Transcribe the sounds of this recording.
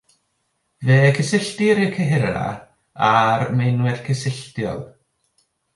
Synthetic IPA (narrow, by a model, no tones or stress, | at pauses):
veːkʰəsɪɬtɪɾɪkʰəɦɪɾa̰ | aɾmejnwɪrkʰəsɪɬtjɔ̰lˠ